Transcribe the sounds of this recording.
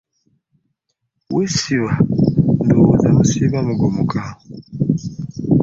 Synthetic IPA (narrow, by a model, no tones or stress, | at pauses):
wisiβandowozamusiβamuɡomuka